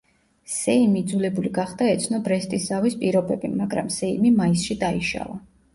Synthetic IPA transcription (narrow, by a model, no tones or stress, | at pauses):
sɛimid̪zulɛbuliɡaχd̪aɛt̪sʰnɔbɾɛst̪ʼiszavispʼiɾɔbɛbimaɡɾa̰msɛimimaisʃid̪aiʃa̰va